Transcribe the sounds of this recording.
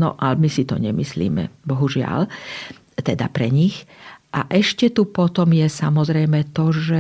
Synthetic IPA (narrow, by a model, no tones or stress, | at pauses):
nɔ̰ʔalmisit̪ɔ̰ɲɛmislḭːmɛ̰bɔɦuʒɪa̰l | t̪ɛd̪a̰pɾɛɲixʔaʔɛʃcɛt̪upɔt̪ɔmjɛsamɔzɾɛjmɛt̪ɔʒɛ